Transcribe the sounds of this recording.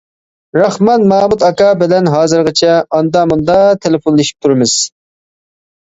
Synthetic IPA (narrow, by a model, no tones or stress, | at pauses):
ɾɑχmɑnmɑːmut̪ɑkɑbɪlɛnɦɑːzɨɾʁɨt͡ʃʰɛɑnd̪ɑmund̪ɑt̪ʰelɪfonlˠeʃi̥p̚t̪ʰuɾɪmɪz̥